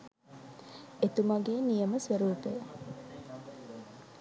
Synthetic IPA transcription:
et̪umɐɡeːnijəməsʋəɾuːpejə

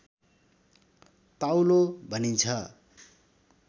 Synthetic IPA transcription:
t̪awlobʱʌnint͡sʰʌ

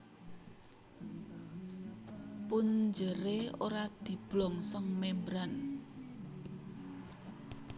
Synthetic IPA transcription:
puɲd͡ʒəɾeoɾad̪̥i̤b̥lɔŋsɔŋmembɾan

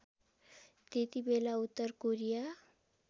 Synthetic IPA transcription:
t̪et̪ibelaut̪ːəɾkoɾija

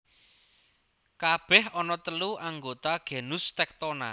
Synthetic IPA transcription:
kab̥ɛɦɔnɔt̪əluʔaŋɡot̪aɡ̥e̤nust̪ɛk̚t̪ona̰

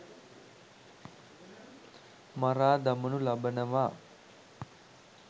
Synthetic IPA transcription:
mɐɾaːd̪ɐmɐnulɐbɐnɐʋaː

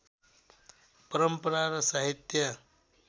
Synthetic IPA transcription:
pəɾəmpəɾaɾʌsaɦit̪jʌ

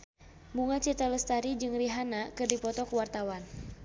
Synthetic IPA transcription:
muŋat͡ʃit̪aləst̪aɾid͡ʒɨŋriɦanakɨrdipɔt̪ɔkəwart̪awan

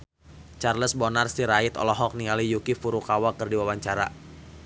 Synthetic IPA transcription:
t͡ʃarləsbɔnarsiɾait̪ɔ̰lɔɦɔk̚niŋalijukifuɾukawakərdiwawaɲt͡ʃaɾa̰

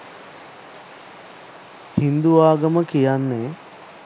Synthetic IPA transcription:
hind̪uʋaːɡəməkijanːe

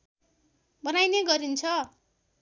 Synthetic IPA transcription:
bʌnajneɡʌɾint͡sʰʌ

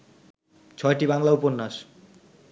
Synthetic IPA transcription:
t͡ɕʰɔeʈibaŋlauponːaʃ

